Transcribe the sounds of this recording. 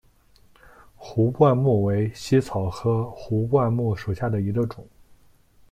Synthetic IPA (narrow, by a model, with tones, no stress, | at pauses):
xu˧˥pwa˥˧nmu˥˩we˧˥ɪɕi˥t͡sʰɑ˨˩ʊxɤ˧˥xu˧˥pwa˥˧nmu˥˩ʂu˨˩ɕja˥˩d̪ə˩i˧˥ɡə˧ʈ͡ʂʊ˨˩˦ŋ